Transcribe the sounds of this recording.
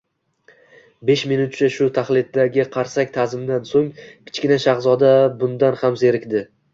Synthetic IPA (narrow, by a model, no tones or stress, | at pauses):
be̞ʃminʊt̪̚t͡ʃʰaʃʊt̪ʰaχlˠɪd̪̚d̪aɡʲɪqʰɑɾsakʲt̪ʰazɪmd̪ansoŋkʲʰɪ̥t͡ʃkʲɪnaʃaχzɒd̪abʊnd̪anhamse̞ɾɪkʲd̪ɪ